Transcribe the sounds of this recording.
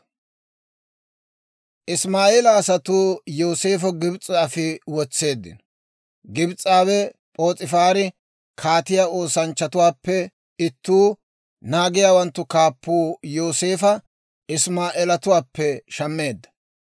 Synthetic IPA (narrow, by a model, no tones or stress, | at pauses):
ʔɪsmaːʔeːlɐːsɐt̪uːjo̞ːseːfɔɡɪbt͡sʼaːfɪwɔt͡sːe̞ːd̪ːɪ̰n | ɡɪbt͡sʼaːβɛpʼo̞ːt͡sʼɪfaːɾɪ | kʰaːt̪ɪjaːo̞ːsɐnt͡ʃːɐt̪ʊwaːpːɛ | ɪt̪ːuː | naːɡɪjaːwɐnt̪ːʊkaːpːuːjoːse̞ːfɐ | ɪsmaːʔeːlɐt̪ʊwaːpːɛʃɐmːe̞ːd̪ːɐ̥